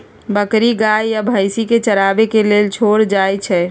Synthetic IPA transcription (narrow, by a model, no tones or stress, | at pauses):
bəkɾiɡajjabʱəjsiket͡ʃəɾabekelelt͡ʃʰoɾd͡ʒajt͡ʃʰɛ